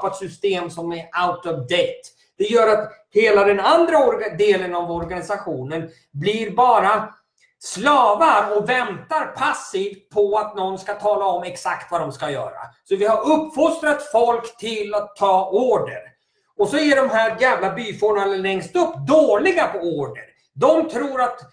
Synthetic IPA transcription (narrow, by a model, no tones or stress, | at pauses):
at̪sʏst̪eːmsɔmɛɾaʊt̪ɔvd̪ɛt̪ | d̪̥ɛjœːɾat̪heːlad̪ɛnand̪ɾaɔɾd̪eːlənavɔɾɡanɪsaɧuːnən | blɪɾbɑːɾa | slɑːvaɾɔvɛnt̪aɾpʰasːiːvt̪̚pʰɔat̪nɔnskat̪ʰɑːlaɔmɛksakt̪vad̪ɔmskajœ̰ːɾa̰sɔvɪhaɾɵpːfɔst̪ɾat̪fɔlkt̪ʰɪlat̪ʰːɑːoːɖə̰ɾ | ɔsɔɛɖɔmɦæɾɡamlabyːfɔɳaləlɛŋst̪ɵpːd̪oːɭɪɡapʰɔoːɖəɾ | d̪ɔmt̪ʰɾuːɾat̪